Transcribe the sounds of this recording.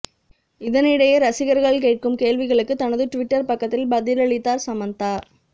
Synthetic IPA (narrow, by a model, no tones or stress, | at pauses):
ɪðɐnɪɽɐjɐɾɐsɪɣɐɾɣɐɭkeːʈ̚kɯmkeːlʋɪɣɐɭɯkːɯt̪ːɐnɐðɯʈʊʋɪʈːɐɾpɐkːɐt̪ːɪlbɐðɪlɐɭɪt̪ːaːɾsɐmɐndt̪aːɾ